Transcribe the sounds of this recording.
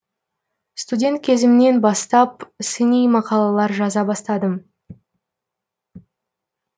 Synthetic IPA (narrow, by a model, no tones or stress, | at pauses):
st̪udʲe̞nt̪̚kʲʰe̞zɪmɪne̞nbɑst̪ɑpsɪnijmɑqɑlˠɑlˠɑɾʒɑzɑbɑst̪ɑd̪əm